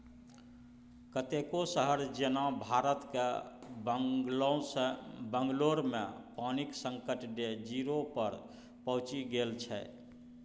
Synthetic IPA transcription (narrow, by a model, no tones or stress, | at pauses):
kət̪ekosəɦəɾd͡ʒenabʱaɾət̪ke | l | bəŋɡloɾmepaniksəŋkəʈɖed͡ʒiɾopəɾ | pəɦt͡ʃiɡelt͡ʃʰɛ̰